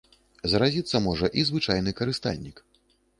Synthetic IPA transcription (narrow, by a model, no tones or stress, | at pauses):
zɐɾazʲit̪sːɐmɔʐɐʔizvɨt͡ʂajnɨkɐɾɨst̪a̰lʲnʲik